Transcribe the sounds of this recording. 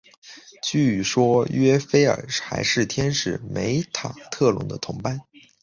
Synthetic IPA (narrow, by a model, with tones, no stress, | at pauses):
t͡ɕy˥˩˨ʂwɔ˥ɥɛ˥fe˥ɪə̰˞˨˩xa̰˧˥ɪʂɻ̩˥˩t̪ʰjɛ˥nʂɻ̩˥˨˩me˧˥ɪt̪ʰa˨˩t̪ʰɤ˥˩lʊ̰˧˥ŋd̪ə˧t̪ʰʊ˧˥ŋpa˥˩n